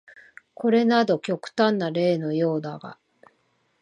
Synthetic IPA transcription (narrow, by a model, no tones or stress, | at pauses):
ko̞ɾe̞nad̪o̞kʲo̞kɯ̟̥t̪ãnːaɾe̞ːno̞jo̞ːd̪aɡ̥a̰